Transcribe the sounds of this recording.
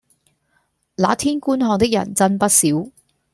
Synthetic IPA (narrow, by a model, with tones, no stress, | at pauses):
la̰ː˨˥t̪ʰiː˥nkuː˥nɦɔː˧ŋt̪ɪ˥k̚jɐ̰˨˩nt͡sɐ˥npɐ˥t̚siː˨˥w